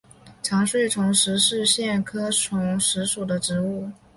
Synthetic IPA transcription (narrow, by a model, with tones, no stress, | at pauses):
ʈ͡ʂʰɑ˧˥ŋʂwe˥˩ɪʈ͡ʂʰʊ˧˥ŋʂɻ̩˧˥ʂɻ̩˥˧ɕjɛ˥˩nkʰɤ˥ʈ͡ʂʰʊ˧˥ŋʂɻ̩˧˥ʂu˨˩d̪ə˦ʈ͡ʂɻ̩˧˥u˥˩